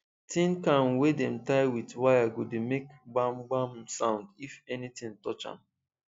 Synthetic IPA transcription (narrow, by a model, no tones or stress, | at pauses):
tʰĩnkãnwedɛ̃mtaɪwitwajaɡodemekɡ͡bãmɡ͡bãmsãʊ̃ndifɛnitĩntɔt͡ʃã̰m